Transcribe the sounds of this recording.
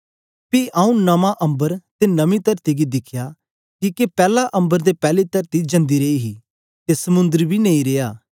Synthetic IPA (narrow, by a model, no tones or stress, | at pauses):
piʔaːũnɐmãʔɐ̃mbəɾt̪enɐmĩt̪ɐɾt̪iɡid̪ɪkʰja | kiːkepɛːlaʔɐ̃mbəɾd̪epɛːlit̪ɐɾt̪id͡ʒɐ̃nd̪iɾeːiɦi | t̪esɐmʊ̃nd̪əɾbʱinẽĩɾeːjaː